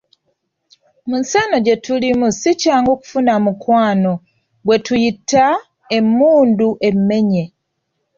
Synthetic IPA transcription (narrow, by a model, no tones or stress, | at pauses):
munsano̞ɟe̞tulimusicaːŋɡoːku̥funamukwaːno̞ | bwe̞tujitːa | e̞mːuːnduʔe̞mːe̞ɲe̞